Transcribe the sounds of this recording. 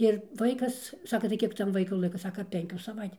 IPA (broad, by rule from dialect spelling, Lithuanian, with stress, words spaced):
ɪr ˈʋɐɪkɐs ˈsɑːkɐ tɐɪ ˈkʲiɛk ˈtɐm ˈʋɐɪkʊ ˈlˠɐɪkɐ ˈsɑːkɐ ˈpʲɛŋʲkʲuː sɐˈʋɐɪtʲ